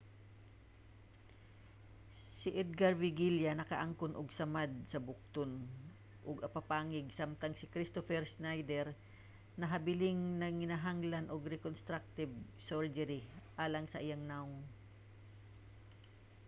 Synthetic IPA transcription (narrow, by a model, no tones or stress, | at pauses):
sɪʔɛd̪̚ɡaɾvɪɡiljanɐkɐʔaŋkʊnʔʊɡsɐmad̪̚sɐbʊk̚t̪ʊn | ʔʊɡɐpapaːŋɪɡ̚samt̪aŋsɪkɾɪst̪ofɛɾsnajd̪ɛɾ | nɐɦɐbɪlɪŋnɐŋːɪnaɦaŋlanʔoɡɾɛkonst̪ɾak̚t̪ɪb | soɹd͡ʒɛɾɪʔaːlɐŋsɐʔɪjaŋnaʊŋ